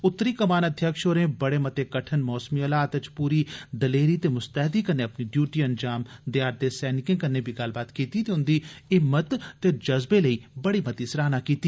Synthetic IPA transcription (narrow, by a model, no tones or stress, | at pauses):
ʊt̪ːɾiːkəmaːnəd̪ʱjəkʃoːɾẽːbɐɽeːmɐt̪ekɐʈʰənmɔːsmiəlaːt̪ət͡ʃpuːɾid̪ɐleːɾiːt̪emʊst̪əɦd̪iːkənːeɐpniɖjuːʈiːɐnd͡ʒaːmd̪ɪjaːɾd̪esɛːnɪkẽːkɐnːeːbʱiɡɐlbaːt̪kiːt̪it̪eʊnd̪iɪmːət̪ːed͡ʒɐzbeləiːbəɽimɐt̪iːsɾaːnakiːt̪iː